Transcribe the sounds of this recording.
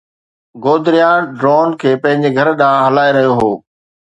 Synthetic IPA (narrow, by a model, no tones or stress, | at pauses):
ɡoːd̪ɪɾijãːɖɾoːnkʰeːpɐ̃ɦɪ̃ɲd͡ʑeɡʱɐɾɗãːɦɐlaːeɾɐɦijoɦoː